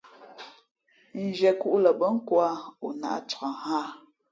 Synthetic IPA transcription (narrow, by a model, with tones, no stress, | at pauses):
n̩˨d͡ʒɛ˨ku˦ʔlə˨bə˦ŋ̩˦kwa˦u˨na̰˨ʔt͡sa˨haː˦˨